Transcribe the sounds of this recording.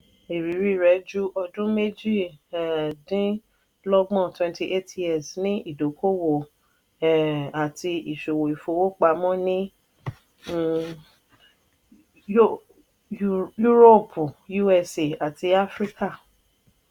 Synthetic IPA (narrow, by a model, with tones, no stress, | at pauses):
e˨ɾi˨˦ɾi˦˨ɾɛ˨˦d͡ʒu˦ʔɔ˧dũ˦me˦d͡ʒi˦˨ɛ˨dĩ˦ | lɔ˦ɡ͡bɔ̃˦˨twɛ̃˧nti˦ʔe˦tjɛ˦˨snĩ˦i˦˨do˨˦ko˦wo˨ | ɛ˨a˨ti˧i˨ʃo˨wo˨i˨fo˨˦wo˦k͡pa˧˦mɔ̃˦nĩ˦˨ | ju˦ɾo˦˨pu˨ju˦ɛ˧se˨a˨ti˧a˦fɾi˦ka˦˨